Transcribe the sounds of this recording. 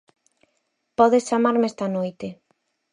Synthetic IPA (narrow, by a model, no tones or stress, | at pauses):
pɔðest͡ʃamaɾmest̪anojt̪e